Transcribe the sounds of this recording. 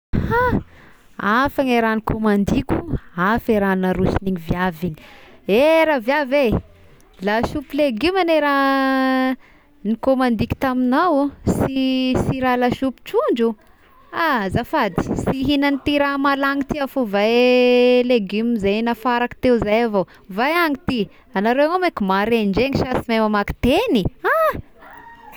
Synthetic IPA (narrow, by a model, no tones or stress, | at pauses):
ha | afaŋeɾanikʰomand̪ikʲuafeɾanaɾuʃiniɲiviaviɲi̥eɾavjave | laʃupileɡymaneɾa | nikomand̪ikʲu̥t̪aminawsisiɾalaʃupi̥t͡ʃuɳd͡ʒu | azafad̪i̥siɦinanit̪iɾamalaŋit̪iafovaj | leɡymzajnafaɾaki̥t̪euzajavo | vajaŋit̪i | anaɾeanomekimaɾeɳd͡ʒeŋiʃasimemamaki̥t̪enia